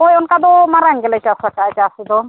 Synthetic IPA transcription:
ojɔnkad̪ɔmaɾanɡɛlajt͡ʃasakat͡ʃaːsid̪ɔ

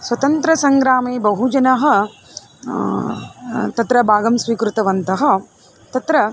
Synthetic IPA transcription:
sʋɐt̪ɐnt̪ɾɐsɐŋɡɾaːmeːbɐɦud͡ʒɐnɐɦɐ̆ | t̪ɐt̪ɾɐbʱaːɡɐmsʋiːkɾut̪ɐʋɐnt̪ɐɦɐ̆ | t̪ɐt̪ɾɐ

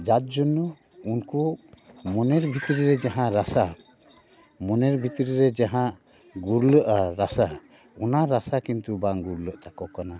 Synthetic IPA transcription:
d͡ʒat̪̚d͡ʒunːɔ | unkumɔnɛɾbʱit̪ɾiɾɛd͡ʒaɦãɾasa | mɔnɛɾbʱit̪ɾiɾɛd͡ʒaɦãʔ | ɡuɾləʔaɾasa | ɔnaɾasakint̪ubaŋɡuɾləʔt̪akɔkana

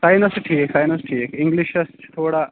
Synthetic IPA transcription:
sajnɐsʈʰiːksajnɐsʈʰiːkiŋɡliɕɐst̪ʰoːɽa

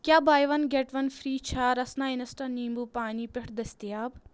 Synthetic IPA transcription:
kjaːbaːjʋɐnɡeʈʋɐnfɾiːt͡ʃʰɐɾɐsnaːinɐsʈɐniːmbuːpaːniːpʲeʈʰd̪ɐst̪ijaːb

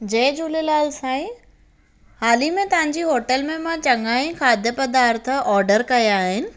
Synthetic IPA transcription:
d͡ʑeːd͡ʑulelaːlsãːĩ | haːlimẽt̪ɐʋ̤ãɲd͡ʑiɦoːʈəlmẽmãt͡ɕɐŋaːĩkʰaːd̪ʱjəpɐd̪aːɾt̪̆ʰɔːɾɖəɾkɐjaːɦɪnɪ̆

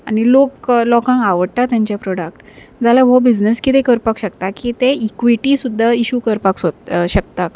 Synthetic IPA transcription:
a̰ñiloklɔkãŋkaʋəɽt̪at̪jãɲt͡ɕjapɾɔɽəkʈ | d͡zalaʋobid͡ʑnəskit̪ekəɾpakɕəkt̪akiːt̪eikʋiʈisud̪ʱːaiɕukəɾpaksot̪ɕək̚t̪a

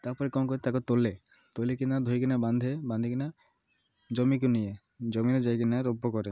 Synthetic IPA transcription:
t̪aɾpɔɾekɔmkɔet̪akɔt̪ole | t̪olekinad̪ʱojkinaband̪ʱeband̪ʱikina | d͡ʒɔmik̬unije | d͡ʑɔmined͡ʑajkinaɾɔbːokɔɾe

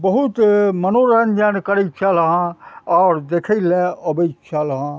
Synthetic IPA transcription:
bəɦut̪mənoɾənd͡ʒənkəɾət͡ʃʰaləɦãɔːɾd̪eːkʰəleəbət͡ʃʰalɦã

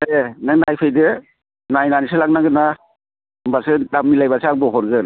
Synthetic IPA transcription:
enanajpʰɯjdɯ | najnanisɯlak̚naɡɯna | mbasɯdamːilajbaseaŋ̚bɔɦʰɔɾɡɯn

